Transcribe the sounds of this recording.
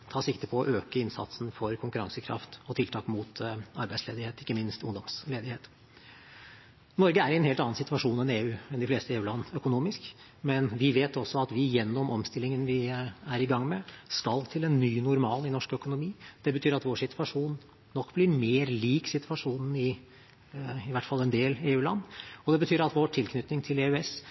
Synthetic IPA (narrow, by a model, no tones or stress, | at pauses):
t̪ʰɑːsɪkt̪əpʰɔɔʔøːkəɪnsɑ̰t̪sn̩fɔɾkʰʊŋkʉɾɑŋsəkʰɾɑ̰ft̪ɔt̪ʰɪlt̪ʰɑːkmʊt̪ɑɾbæɪsleːd̪ɪheːt̪ɪkːəmɪnst̪ʊ̰ŋd̪ɔmsleːd̪ɪheːt̪ | nɔɾɡəæɾɪɛnheːlt̪ɑnːɑnsɪt̪ʋɑʂuːnɛneːʉːɛnd̪ɪfleːst̪əeːʉːlɑnːœkʊnuːmɪsk | mɛnʋɪʋeːt̪ɔsːɔɑt̪ʋɪjɛnːɔmʔɔmst̪ɪlːɪŋənʋɪæɾɪɡɑŋːmɛskɑlt̪ʰɪlɛnːyːnʊɾmɑːlɪnɔʂkœkʊnʊmiːd̪̥ɛbət̪ʰyːɾɑt̪ʋoːʂɪt̪ʰʉʋɑʂuːnː | ɔkːblɪɾmeːɾliːksɪt̪ʋɑʂuːnən̩ɪ | ɪʋæʈːfɑlːɛnd̪eːleːʉːlɑ̰nːɔd̪ɛbət̪ʰyːɾɑt̪ʋoːʈʰɪlkʰnʏt̪nɪŋt̪ʰɪleːʉɛs